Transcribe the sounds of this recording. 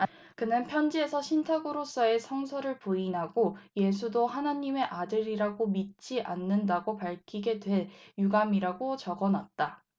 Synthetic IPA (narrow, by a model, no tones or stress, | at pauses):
kɯnɯnpʰjʌnd͡ʑie̞sʰʌɕʰintʰaɡɯɾos͈ʌe̞sʰʌŋsʰʌɾɯɭpuinɦaɡoje̞s̬ʰudoɦanaɲime̞ʔadɯɾiɾaɡomit̚t͡ɕ͈iʔanːɯndaɡopaɭkʰiɡe̞dwe̞ɭjuɡamiɾaɡot͡ɕʌɡʌnat̚t͈a